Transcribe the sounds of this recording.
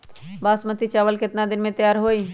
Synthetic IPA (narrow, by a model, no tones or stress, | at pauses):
baːsmət̪it͡ʃaːʋəlkɪt̪nad̪ɪnmẽt̪əjaːɾɦoːiː